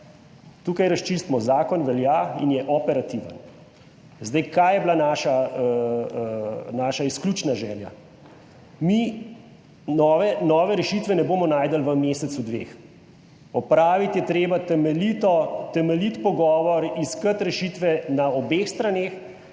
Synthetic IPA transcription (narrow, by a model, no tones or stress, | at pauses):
t̪uːkajɾast͡ʃist̪mɔzaːkɔnʋɛljaḭnjɛʔɔpɛɾat̪iʋə̰n | zd̪ajkajɛblanaːʃa | naːʃaisklʲuːt͡ʃnaʒɛːlja̰ | mi | nɔːʋɛnɔːʋɛɾɛʃit̪ʋɛnɛboːmɔnaːjd̪əlʋəmeːsɛt̪sud̪ʋḛːx | ɔpɾaːʋit̪jɛt̪ɾeːbat̪ɛmɛlit̪ɔt̪ɛmɛlit̪pɔɡɔːʋɔɾiskət̪ɾɛʃit̪ʋɛnaɔbeːxst̪ɾaneːx